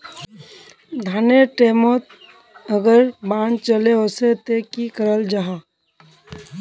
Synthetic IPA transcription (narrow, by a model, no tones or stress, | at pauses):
d̪ʱaːneʈeːmot̪̚ | əɡəɾbãːnt͡ʃəleɦoset̪ekikəɾəld͡ʒaɦa